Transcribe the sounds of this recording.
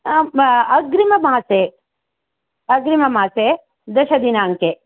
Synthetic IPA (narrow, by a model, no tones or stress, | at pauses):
ɐɡɾimɐmaːseː | ɐɡɾimɐmaːse | d̪ɐʃɐd̪inaːŋke